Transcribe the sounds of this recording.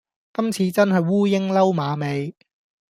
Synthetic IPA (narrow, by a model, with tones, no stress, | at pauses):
kɐ˥mt͡sʰiː˨˧t͡sɐ˥nɦɐ˨jwuː˥jɪ˥ŋlɐ˥wmaː˨˧me˨˧j